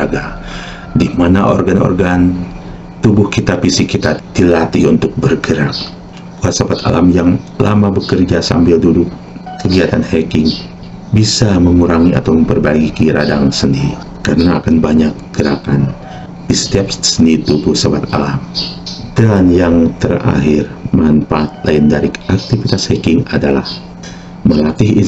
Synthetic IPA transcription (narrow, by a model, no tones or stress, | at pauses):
aɡa | dimanaʔo̰rɡanɔ̰rɡan | t̪ubʊhkit̪apisikit̪ad̪̥ilat̪iunt̪ʊk̚bərɡəɾak̚ | puasabat̪a̰lamjaŋla̰mabəkərd͡ʒasa̰mbɪldudʊkː | əɡiat̪anhɛkɪŋ | bisaməŋuɾaŋia̰t̪awməmpərbaɡikiɾadaŋsəndi | karna̰ːkanbaɲakɡ̥əɾakan | ist̪apssənit̪upusabat̪a̰lamdanjaŋt̪ə̰ra̰ɦɪrmanpaːt̪̚laindaɾiak̚t̪ifit̪ashɛkɪŋadala̰h | məlat̪ɪɦi